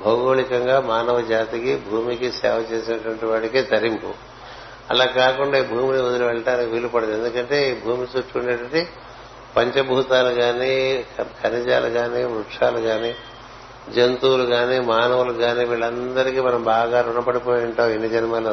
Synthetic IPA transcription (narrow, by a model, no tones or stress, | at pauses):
bʱɐɡoːɭikɐŋɡaːmaːnɐʋɐd͡ʒaːt̪ikibʱuːmikisɛ̰ːʋɐt͡ʃeːsinɐʈuʋɐɳʈiʋaːɽikeːt̪ɐɾimpṵ | ɐ̰laːkaːkuɳɖaːiːbʱuːminiod̪iɾiʋɛɭʈaːnikiʋiːlupɐɽɐend̪ukɐɳʈe̞ːbʱuːmit͡ʃuːt͡ʃːuɳɖeːʈɐɳʈi | pɐɲt͡ʃɐbʱuːt̪aːluɡaːnikʰɐnid͡ʒa̰ːluɡaːniːmɾuʈʂaːluɡaːniː | d͡ʒent̪uːluɡaːniːmaːnɐʋuluɡaːniːʋiːɭɐnd̪ɐɾikimɐnɐmbaːɡaːnunɐpɐɽipoːjuɳʈɐːwenːid͡ʒɐnimaːlo